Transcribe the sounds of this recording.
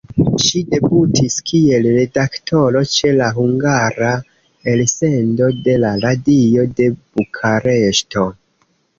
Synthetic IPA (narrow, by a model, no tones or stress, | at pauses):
ʃide̞butʰiskʰie̞lɾe̞daktʰo̞ɾo̞t͡ʃe̞laɦuŋɡaɾa | else̞ndo̞de̞laɾadio̞de̞b̥ukʰaɾe̞ʃto̞